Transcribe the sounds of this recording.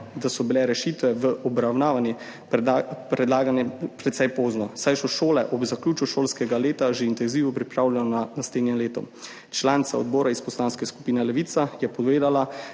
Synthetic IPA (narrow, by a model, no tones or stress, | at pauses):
d̪asɔbilɛɾɛʃit̪ʋɛʋəʔɔbɾawnaːʋanji | pɾɛd̪laːɡanɛpɾɛt̪sɛjpoːznɔsajʃɔʃoːlɛʔɔbzakluːt͡ʃuʃoːlskɛɡaleːt̪aʒeint̪ɛnziʋɔpɾipɾaːwlʲɛnɔanasleːd̪njɛmleːt̪ɔ̰ | t͡ʃlaːnit̪sa̰ɔd̪bɔːɾaispɔslaːnskɛsku̥piːnɛlɛʋiːt̪sajɛpɔd̪ʋeːd̪ala